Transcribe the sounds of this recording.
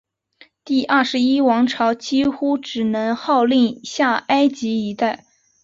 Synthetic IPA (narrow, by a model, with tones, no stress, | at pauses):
t̪i˥˩ʔɐ˥˩ʂɻ̩˧˥i˥wɑ˧˥ŋʈ͡ʂʰɑ˧˥ʊt͡ɕi˥xu˥ʈ͡ʂɻ̩˨˩nɤ˧˥ŋxɑ˥˧ʊli˥˧ŋɕja˥˩a˥ɪt͡ɕi˧˥i˧˥t̪a˥˩ɪ